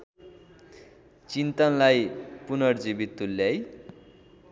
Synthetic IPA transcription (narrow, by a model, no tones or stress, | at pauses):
t͡sint̪ʌnlajpunʌrd͡zibit̪ːulːjʌj